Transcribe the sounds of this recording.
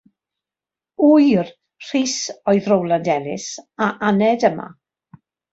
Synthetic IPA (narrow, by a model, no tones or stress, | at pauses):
ujr | r̥iːsɔɨðrowlˠandɛlɪ̰saʔanɛdəma̰